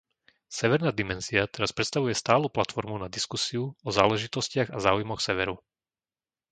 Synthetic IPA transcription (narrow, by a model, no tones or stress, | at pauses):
sɛʋɛɾnaːd̪imɛnziat̪ɛɾaspɾɛt̪st̪aʋujɛst̪aːluplat̪fɔɾmunad̪iskusiuɔza̰ːlɛʒit̪ɔscɪaɣazaːujmɔxsɛʋɛɾu